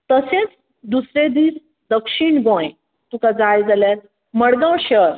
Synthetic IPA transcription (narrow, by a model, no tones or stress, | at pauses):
t̪əsẽt͡s | d̪usɾed̪iːs | d̪əkʂiɳɡõj | t̪ũkad͡zajd͡zaljaɾ | məɽɡ̪ə̃wɕəɾ